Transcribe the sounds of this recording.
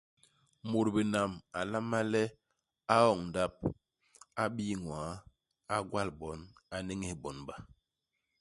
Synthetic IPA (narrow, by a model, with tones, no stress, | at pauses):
mo˨ɾbi˨na˨ma˨la˦ma˦lɛ˦ | a˦ɔ˦˨ŋn˨da˦p̚ | a˦ɓi˦ŋwa˨˦ | a˦ɡwa˦lbɔ˨˦na˨ne˦ŋi˦hbɔ˨˦nba˨